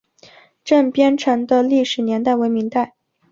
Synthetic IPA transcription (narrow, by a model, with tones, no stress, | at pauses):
ʈ͡ʂə˥˩ŋpjɛ˥nʈ͡ʂʰə˧˥nd̪ə˧li˥˩ʂɻ̩˨˩njɛ˧˥nt̪a˥˩ɪwe˧˥ɪmi˧˥ŋt̪a˥˩ɪ